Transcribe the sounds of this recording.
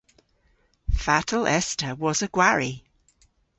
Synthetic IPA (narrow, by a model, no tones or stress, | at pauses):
fatʰəlʔɛstəwɒzəɡ̥waɹi